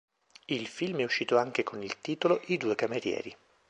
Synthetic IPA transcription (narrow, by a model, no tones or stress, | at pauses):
ilfilmɛuʃːiːt̪oaŋk̟ekʰonilt̪iːt̪oloʔid̪uːekameɾjɛ̰ːɾi